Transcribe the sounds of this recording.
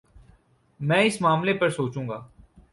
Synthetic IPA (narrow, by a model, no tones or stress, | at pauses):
mɛ̃ːɪsmaːmlepɐɾsoːt͡ʃũːɡaː